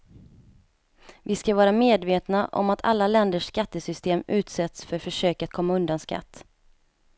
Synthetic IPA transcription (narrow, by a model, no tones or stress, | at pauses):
vɪskavɑːɾameːd̪veːt̪naʔɔ̰mat̪ʰa̰lːalɛnd̪əʂːkat̪ːəsʏst̪eːmʉ̟ːt̪sɛt̪sfœɾfœʂøːkat̪̚kʰɔmːaɵnd̪anska̰t̪ː